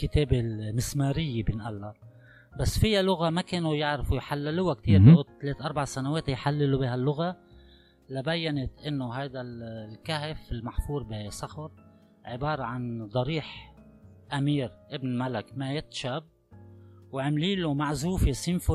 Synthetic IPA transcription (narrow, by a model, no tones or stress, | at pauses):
kɪt̪eːbɪlmɪsmaːɾɪjːebɪnʔalːa | basːfɪjːalʊɣamakeːnujɪʕɾfujħalːɪlʊwakt̪iːɾbiʔʊt̪t̪ːaleːt̪ʔɑɾˤbaʕsanaweːt̪jħalːɪlubihalːʊɣa | labajːanɪt̪ʔɪnːʊɦajd̪allkaɦɪfɪlmaħfuːɾˤbɪsˤɑxʊɾ | ʕɪbɑːɾˤɑʕand̪ˤɑɾiːħ | ʔamiːɾʔɪbnmalɪkmajɪt̪ʃab̚ | wʕɪmliːlumaʕzuːfsimfʊ